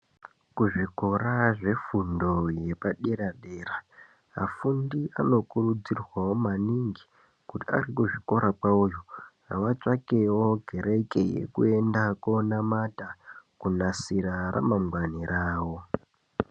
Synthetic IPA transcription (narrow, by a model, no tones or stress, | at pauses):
kuʐiko̞raʐe̞fundo̞je̞paɗeɾaɗeːra | a̰fundiʔano̞kurud͡zirwawo̞maniŋɡi | kutia̰rikuʐiko̞ɾapaujoraʋat͡sakewo̞ɡʱe̞ɾe̞ke̞jḛkue̞ndako̞namatakunasiɾaɾʔa̰mamwaniɾʔaːwo̞